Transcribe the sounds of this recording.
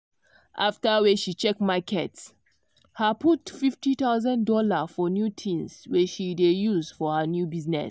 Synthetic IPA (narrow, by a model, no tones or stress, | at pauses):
ʔaftəwɛʃit͡ʃɛkmakʰɛts | həputfiftit̪aʊzãndɔlafɔnjutʰĩnswɛʃidejuzfɔhənjubiznɛ̰s